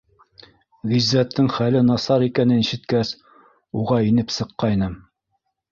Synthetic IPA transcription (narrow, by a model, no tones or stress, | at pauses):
ʁizːæt̪ʰːɘŋχælɘnɑsɑɾikænɘniʃɘ̆t̪kæs | uʁɑinɘpsɤ̆qːɑjnɤm